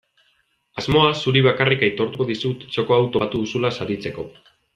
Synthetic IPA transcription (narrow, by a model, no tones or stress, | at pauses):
azmo̞asuɾiβ̞akariket̪o̞ɾt̪uko̞ðisut̪t͡ʃo̞ko̞awt̪oat̪uðusulasaɾit͡se̞ko̞